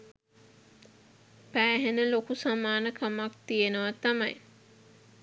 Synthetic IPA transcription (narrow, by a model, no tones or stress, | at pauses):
pæːɦenəlokusamaːnəkʰamak̚t̪ijenəʋat̪amaj